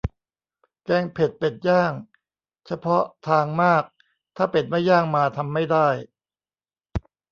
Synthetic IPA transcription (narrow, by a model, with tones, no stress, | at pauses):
kɛː˧ŋpʰe˨˩t̪̚pe˨˩t̪̚jaː˥˩ŋ | t͡ɕʰa˧pʰɔ˦˥t̪ʰaː˧ŋmaː˥˩k̚ | t̪ʰaː˥˩pe˨˩n̚ma˥˩jːaː˥˩ŋmaː˧t̪ʰa˧mːa˥˩jdaː˥˩j